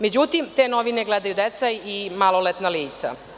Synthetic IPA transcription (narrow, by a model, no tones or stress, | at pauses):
med͡ʑut̪imt̪eːnoʋineɡled̪ajud̪et̪sajimalˠolet̪naliːt̪sa̰